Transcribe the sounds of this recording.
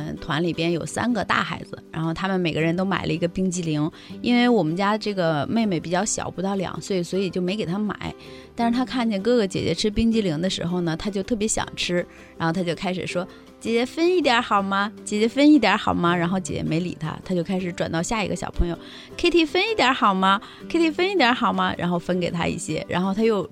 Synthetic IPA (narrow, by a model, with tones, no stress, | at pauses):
t̪ʰwa˧˥nli˨˩pjɛ˥njo˨˩ʊsa̰˥nɡə˧t̪a̰˥˩xa˧˥ɪd͡zɹ̩˧ɻa̰˧˥nxo˥˩ʊt̪ʰa˥mə˨nme˨˩ɪɡə˦ɻə˧˥nt̪̬o˥ʊma̰˨˩ɪlʔə̰˦i˧˥ɡə˧pi˥ŋt͡ɕi˥˩li˧˥ŋ | i˥nwe˥˩ɪwɔ˨˩mə˦nt͡ɕja˥ʈ͡ʂɤ˥˩ɡə˩me˥˧ɪme˧˩ɪpi˨˩t͡ɕjɑ˥˩ʊɕjɑ̰˨˩ʊpu˧˥t̪ɑ˥˩ʊljɑ̰˨˩˦ŋswɔ˧˥i˨˩swɔ˧˥i˨˩t͡ɕjo˥˩ʊme˧˥ɪke˨˩ɪt̪ʰa˥ma̰˨˩˦ɪ | t̪a˥˧ʂɻ̩˥˩t̪ʰa˥kʰa˥˩nt͡ɕjɛ˥˩nkɤ˥˩ɡə˩t͡ɕjɛ̰˨˩t͡ɕjɛ̰˧˥ʈ͡ʂʰɻ̩˥pi˥ŋt͡ɕi˥˩li˧˥ŋd̪ə˧ʂɻ̩˧˥xo˧ʊnə˩t̪ʰa˥t͡ɕjo˥˧ʊt̪ʰɤ˥˩pjɛ˧˥ɕjɑ̰˨˩ŋʈ͡ʂʰɻ̩˥ | ɻa˧˥nxo˥˧ʊt̪ʰa˥jo˥˧ʊkʰa˥ɪʂɻ̩˨˩ʂwɔ˥ | t͡ɕjɛ˨˩t͡ɕjɛ˧˥fə˥ni˥˩t̪̬jɐ˧˥xɑ˨˩ʊmɐ˧t͡ɕjɛ˨˩t͡ɕjɛ˧˥fə˥ni˥˩t̪jɐ˧˥xɑ˨˩ʊmɐ˦ɻa˧˥nxo˥˩ʊt͡ɕjɛ̰˨˩t͡ɕjɛ̰˧˥me˧˥ɪlḭ˨˩t̪ʰa̰˥t̪ʰa˥t͡ɕjo˥˩ʊkʰa˥ɪʂɻ̩˧˥ʈ͡ʂwa˨˩nt̪ɑ˥˧ʊɕja˥˩ḭ˧˥ɡə˧ɕjɑ˨˩ʊpʰɤ˧˥ŋjo˥˧ʊ | kʰɪt̪ʰi˧˥fə˥ni˥˩t̪jɐ˧˥xɑ˨˩ʊmɐ˧ | kʰe˥ɪt̪ʰi˧˩fə˥ni˥˩t̪jɐ˧˥xɑ˨˩ʊmɐ˦ɻa̰˧˥nxo˥˧ʊfə˥nke˨˩ɪt̪ʰa̰˥ḭ˥˩ɕjɛ̰˥ɻa̰˧˥nxo˥˧˩ʊt̪ʰa˥jo˥˩ʊ